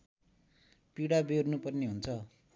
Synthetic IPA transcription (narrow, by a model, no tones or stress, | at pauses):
piɽabernupʌrneɦunt͡sʰʌ